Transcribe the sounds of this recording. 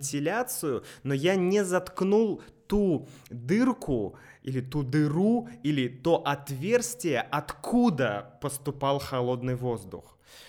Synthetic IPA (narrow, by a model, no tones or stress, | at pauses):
tʲɪlʲat̪sɨjʊnojanʲɪzɐt̪knulˠt̪u | d̪ɨrkʰʊilʲɪt̪ud̪ɨruilʲɪt̪o̞ʔɐt̪vʲe̞rstʲvʲɪjəʔɐt̪kʰud̪əpəst̪ʊpɑlˠxɐlˠo̞d̪nɨjvo̞zd̪ʊ̰x